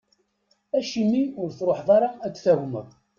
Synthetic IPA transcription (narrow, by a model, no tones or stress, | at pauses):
æʃimːiʊɾθɾˤoħðˤɑɾˤɑæt͡sːθæɦmə̰ðˤ